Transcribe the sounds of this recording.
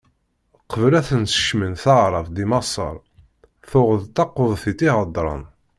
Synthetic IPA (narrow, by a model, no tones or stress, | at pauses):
qːəvlæθənsə̥ʃmənθɑʁɾˤɑvd̪imɑsˤə̰ɾˤ | θʊʁðt̪ːɑqːoðˤθit̪iʁəd̪ˤːɾˤə̰n